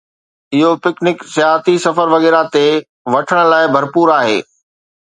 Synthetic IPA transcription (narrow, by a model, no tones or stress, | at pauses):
ɪɦopɪknɪksjaːɦt̪isɐfəɾʋɐɣɛːɾat̪e | ʋɐʈʰəɽ̃ə̆laːɪbʱɐɾpuːɾaːɦḛː